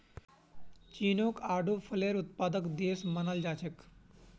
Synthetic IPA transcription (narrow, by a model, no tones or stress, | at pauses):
t͡ɕiːnokaːɖʱuːfʰəleɾut̪̚pad̪əkd̪eːsmənald͡ʒat͡ɕʰek